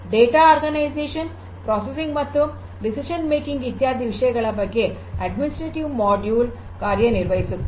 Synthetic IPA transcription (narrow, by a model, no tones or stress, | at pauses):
ɖeːʈaːaːɾɡɐnɐɪseːʂɐn | pɾoːsesɪ̃ŋɡmɐt̪ːɯm | ɖɪsɪʂɐnmeːkɪŋɡit̪jaːd̪ʱiʋɪʂɐjɐɣɐɭɐpɐkːe | ɐɖmɪnɪsʈɾɐʈiʋmɔːɖjuːl | kaːɾjɐnɪɾʋɐjsɯ